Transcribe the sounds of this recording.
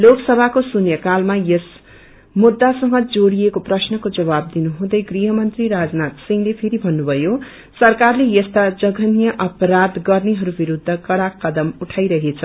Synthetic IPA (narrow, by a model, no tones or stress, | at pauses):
loksʌbʱakosunjʌkalmajʌs | mud̪ːasʌŋʌd͡zoɽiekoprʌsnʌkod͡zʌβab̚d̪inuɦũd̪ʌjɡriɦʌmʌnt̪riɾad͡znat̪siŋlepʰeɾibʱʌnːubʱʌjo | sʌrkarlejʌst̪ad͡zʌɡʱʌnijʌʔʌpʌɾad̪ɡʌrneɦʌɾubiɾud̪ʱːʌkʌɽakːʌd̪ʌmuʈʰajɾʌɦet͡sʰʌ